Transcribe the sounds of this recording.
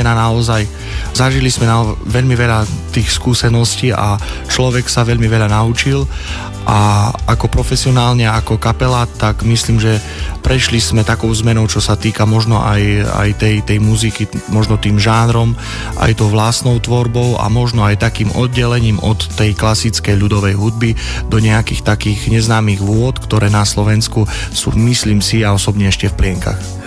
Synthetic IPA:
ɛnanaɔzaj | zaʒilizmɛnaʋɛʎmiʋɛʎat̪iːxskuːsɛnɔsciːʔa̰ | t͡ʃlɔʋɛksaʋɛʎmiʋɛʎanaut͡ʃil | ʔaʔakɔpɾɔfɛsiɔnaːlɲɛakɔkapɛlat̪aɡmisliːmʒɛ | pɾɛʃlizmɛt̪akɔʊzmɛnɔʊt͡ʃɔsat̪iːkamɔʒnɔʔa̰ja̰jt̪ɛjt̪ɛjmuzikimɔʒnɔt̪iːmʒanɾɔm | ʔa̰jt̪ɔʊʋlast̪nɔʊt̪ʋɔɾbɔʊa̰mɔʒnɔajt̪akiːmʔɔ̰d̪̚ɟɛlɛɲiːmɔt̪ːɛjklasit͡skɛjʎud̪ɔʋɛjɦud̪̚bi | d̪ɔɲɛakiːxt̪akiːɣɲɛznaːmiɣʋʊɔt̪kt̪ɔɾɛːnaslɔʋɛnsku | sṵːmisliːmsiaɔsɔbɲɛɛʃcɛfplɪɛŋka̰x

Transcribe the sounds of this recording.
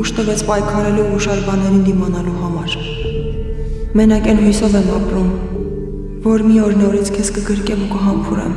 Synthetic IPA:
uʃt̪əvɛt͡sʰpɑjkʰɑɾɛluuʃɑɾbɑnɛɾind̪imɑnɑluɦɑmɑɾ | mɛnɑkɛnhujsɔvɛmɑpɾum | vɔɾmiɔɾnɔɾit͡sʰkʰɛskəɡəɾkɛmukəɦɑmpʰuɾɛ̰m

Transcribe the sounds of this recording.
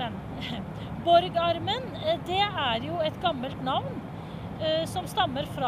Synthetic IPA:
bɔɾɡɑɾmən | d̪ɛæɾjʊɛt̪ɡɑmːəlt̪nɑʋn | sɔmst̪ɑmːəɾfɾɑ

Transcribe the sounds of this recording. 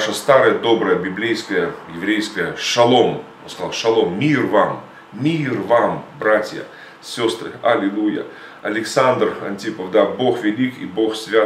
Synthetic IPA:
ʂəst̪aɾəjəd̪o̞bɾəjəbʲɪblʲejskəjəjɪvɾʲejskəjəʂɐlˠo̞mo̰nskɐzalˠʂɐlˠommʲirvamːʲ | irvambɾatʲjə̰ | sʲo̞st̪rɨ̰ɐlʲɪlˠujə̰ | ɐlʲɪksand̪rɐ̰nʲtʲipəvd̪aboxvʲɪlʲikḭbo̞xsʲvʲa

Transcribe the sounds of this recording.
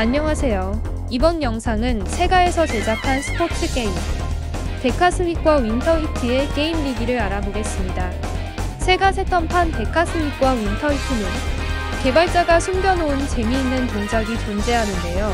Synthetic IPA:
aɲːʌŋɦasʰe̞jo | ibʌnjʌŋsʰaŋɯnsʰe̞ɡae̞sʰʌt͡ɕe̞d͡ʑakʰansʰɯ̥pʰotʰɯk͈e̞im | te̞kʰasʰɯɲik̚k͈wawintʰʌɦitʰɯe̞ke̞imːiɡiɾɯɾaɾaboɡe̞s͈ɯmɲida | sʰe̞ɡasʰe̞t͈ʰʌmpʰante̞kʰasʰɯɲik̚k͈wawintʰʌɦitʰɯnɯn | ke̞baɭt͡ɕ͈aɡasʰumɡjʌnount͡ɕe̞miːnːɯntoŋd͡ʑaɡit͡ɕond͡ʑe̞ɦanɯnde̞jo

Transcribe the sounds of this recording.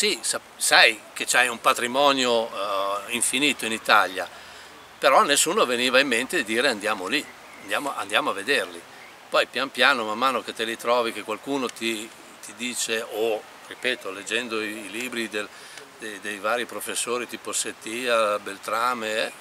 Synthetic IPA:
sisa | sajket͡ʃajumpat̪ɾimɔːnjo | iɱfiniːt̪oinit̪alja | peɾɔnːesːuːnoveniːvaimːent̪ed̪id̪iːɾeand̪jaːmoli | and̪jaːmoʔa̰nd̪jaːmoaved̪erli | pɔjpjampjaːnomamːaːnoket̪ːelit̪ɾɔːvikekːwalkuːnot̪i | t̪ʰid̪iːt͡ʃeo | ripɛːt̪oled͡ʒːɛnd̪oiiliːbɾid̪el | d̪ed̪ejvaːɾipɾofesːoːɾit̪iːposːet̪ːiːabelt̪ɾaːmeɛ

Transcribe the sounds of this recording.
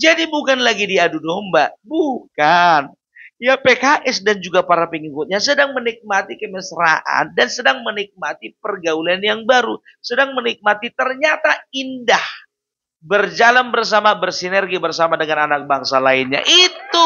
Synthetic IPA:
d͡ʒadibukanlaɡidiadudombabukan | japekaʔɛsdand͡ʒuɡapaɾapəŋikʊt̪̚ɲasədaŋmənik̚mat̪ikəməsɾa̰ʔa̰ndansədaŋmənik̚mat̪ipərɡaulanjaŋbaɾu | sədaŋmənik̚mat̪it̪ərɲat̪aindah | bərd͡ʒalanbərs̬amabərsinərɡibərsamadəŋananak̚baŋsalaɪnɲa̰ʔit̪u

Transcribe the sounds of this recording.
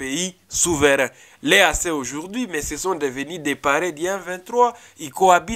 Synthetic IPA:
ei | suvəɾɛ̃ | lɛasɛoʒuʁd̪ɥimɛsesɔ̃d̪əvənyd̪epaɾed̪iɛ̃vɛ̃t̪χwa | ikoabi

